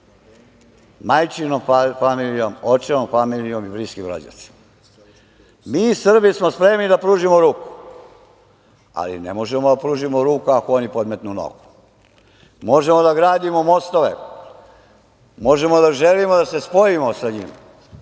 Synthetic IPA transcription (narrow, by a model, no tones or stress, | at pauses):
majt͡ʃinofamilijomot͡ʃenomfamilijo̞mibɾiskimɾo̰d͡ʑa̰t̪si̥m | miːsr̩bismospɾe̞mnid̪apɾuːʒimoɾuːku̥ | a̰lḭnḛmo̞ʒemod̪apɾuːʒimoɾuːkuakoonipo̞d̪met̪nuno̰ɡu̥ | mo̞ʒe̞mod̪aɡɾaːd̪imomo̞st̪o̞ʋḛ | mo̞ʒe̞mo̞d̪aʒelimod̪ase̞spo̞jimosaɲḭːm